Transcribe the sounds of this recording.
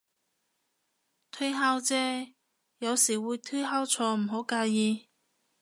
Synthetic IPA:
t̪ʰɵ˥ɦaː˥wt͡sɛː˥ | jɐ˨˧wsiː˨˩wuː˨˧jt̪ʰɵ˥jɦaː˥wt͡sʰɔː˧m̩˨˩ɦo˨˥wkaː˧jiː˧

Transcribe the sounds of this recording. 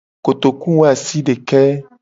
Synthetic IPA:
ko˨t̪o˨ku˦wo˦a˨si˦ɖe˨kɛ˦

